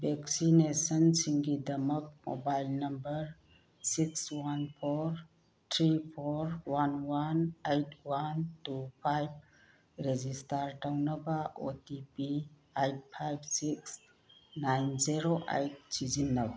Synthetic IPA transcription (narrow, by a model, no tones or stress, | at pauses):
bʱeksinesənsiŋɡidɐmɐk̚mo̰bajlnɐmbɐɾ | sikswanpʰoɾ | tʰɾipʰoɾwanwanejt̚ʰwantupʰajb̚ | ɾezistaɾtawnɐbaotipi | ajt̚pʰajb̚siks | najnziɾoʔa̰jt̚sizinːɐba